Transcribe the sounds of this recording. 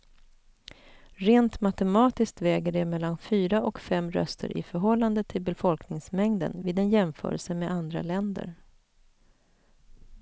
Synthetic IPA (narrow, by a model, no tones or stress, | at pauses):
ɾeːnt̪mat̪ɛmɑːt̪ɪsk̚t̪vɛːɡəɖɛmɛlːanfyːɾaʔɔkfɛmːɾœ̰st̪ʰə̰ɾʔɪ̰fœɾɦɔlːand̪ət̪ʰːɪlbɛfɔlknɪŋsmɛŋd̪ə̰nviːd̪ɛnjɛmfœ̰ːɾə̰lsəmeːand̪ɾa̰lɛnd̪ə̰ɾ